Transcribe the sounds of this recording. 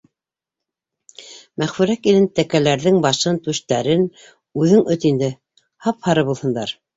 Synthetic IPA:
mæχfɵ̆ɾækilɘnt̪ækælæɾðɘŋbɑʃɤnt̪ʉʃt̪æɾɘn | ʉðɘŋɵt̪ind̪ɘ | hɑphɑɾɤβulˠhɤ̆nd̪ɑ̰ɾ

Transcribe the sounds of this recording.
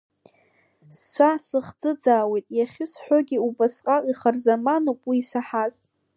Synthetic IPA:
sːʷʰasɨχd͡zɨd͡zaːwe̞jtʼjaχʲɪsħʷᶣoɡʲɪubasqʼaqʼiχarzamanowpʼwiːsaħaz

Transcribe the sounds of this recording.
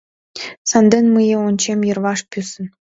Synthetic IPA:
sɑnd̪enmɯjĕonʲt͡ɕemjɤ̆rβɑʃpʲysə̆n

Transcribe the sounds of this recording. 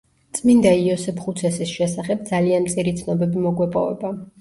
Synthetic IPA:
t̪sʼmind̪aiɔsɛpʰχut̪sʰɛsisʃɛsaχɛb̚d̪zalianmt̪sʼiɾit̪sʰnɔbɛbimɔɡwɛpʼɔ̰vɛ̰ba

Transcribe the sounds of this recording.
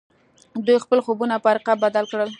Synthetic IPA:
d̪ujxpəlxobunapəaɾqabːad̪alkɽəl

